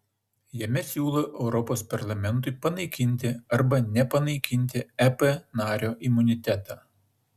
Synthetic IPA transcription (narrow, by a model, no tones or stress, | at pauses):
jɛmʲɛsʲuːlˠoʔɛʊɾɔpoːspɐɾlˠɐmʲɛnˑt̪ʊɪpɐnɐɪkʲɪnʲt̪ʲɪɐɾbɐnʲɛpɐnɐɪkʲɪnʲt̪ʲɪæpɛnɑːɾʲoːʔɪmʊnʲɪt̪ʲɛt̪ɑː